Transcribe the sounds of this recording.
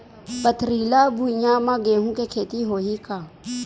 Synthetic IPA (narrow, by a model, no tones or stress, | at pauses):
pət̪ʰɾiːlabʱujãmãɡeːɦũkekʰeːt̪iɦoːɦikaː